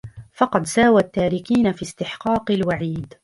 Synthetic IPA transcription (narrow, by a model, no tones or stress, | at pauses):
fɑqɑd̪saːwat̪ːaːɾɪkiːnafiːst̪ɪħqɑːqɪlwaʕiːd̪